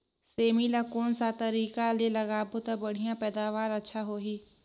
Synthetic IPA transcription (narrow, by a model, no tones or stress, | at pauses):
seːmilakoːnsat̪əɾiːkalelɐɡaːbot̪abəɽ̤ijãpɛːd̪aːʋaːɾətːʃʰaɦoːɦiː